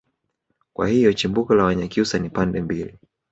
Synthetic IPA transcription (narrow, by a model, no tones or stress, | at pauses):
kwa̰hijɔt͡ʃimbukɔlawaɲakiusanipandɛmbili